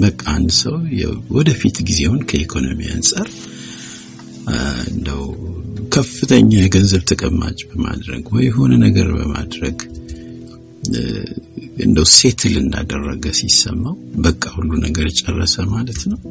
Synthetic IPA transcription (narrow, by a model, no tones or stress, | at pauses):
bəkʼːaand̪səwjɛwɔd̪əfit̪ɡize̞hunkʰəikʰo̞no̞mia̰nsʼaɾ | ɨnd̪əwkʰəfːɨt̪ʰəɲːajɛɡənzəβt̪ʰəkʼəmːat͡ʃʼbəma̰d̪ɾəɡwɔjɦo̞nənəɡəɾbə̰mad̪ɾəɡ | ɨ̰nd̪əwse̞t̪ʰɨlɨnd̪a̰d̪ərːəɡəsisːə̰mːawbəkʼːahulːunəɡəɾt͡ʃʼɛrːəsəmalət̪nəw